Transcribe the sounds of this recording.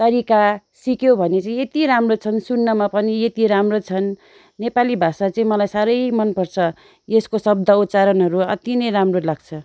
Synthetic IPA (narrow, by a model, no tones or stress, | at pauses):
t̪ʌɾika | sikjobʱʌnet͡sʌĩet̪iɾamrot͡sʰʌnsunːʌmapʌniet̪iɾamrot͡sʰʌnː | epalibʱasat͡sʌĩmʌlajsaɾʌjmʌnpʌrt͡sʰʌ | eskosʌb̚d̪ʱʌot͡saɾʌnɦʌɾuʌt̪inʌjɾamrolaɡ̚t͡sʰʌ